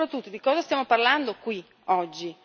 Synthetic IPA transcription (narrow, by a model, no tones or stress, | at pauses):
ɾat̪ːut̪ːod̪ikɔːzast̪jaːmoparland̪okwi | ɔd͡ʒːi